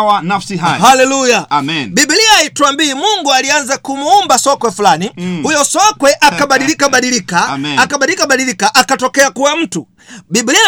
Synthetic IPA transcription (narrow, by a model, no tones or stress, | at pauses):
wanafsiɦahalɛlujanɓiɓiliaitwambiːmuŋɡualianzakumuumbasɔkwɛfulanihujɔsɔkwɛʔakaɓaɗilikaɓaɗilikaakaɓailikaɓaɗilikaʔakatɔkɛakuwam̩tu | ɓiɓilia